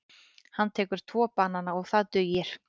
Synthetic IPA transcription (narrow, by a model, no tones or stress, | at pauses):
hanːt̪ʰɛːkʏɾ̥t̪ʰvɔːpaːnanːaɔɣθaðt̪ʏɥjɪɾ̥